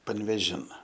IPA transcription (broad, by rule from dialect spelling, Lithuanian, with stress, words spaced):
pɐnʲʋʲeːˈʒʲɪn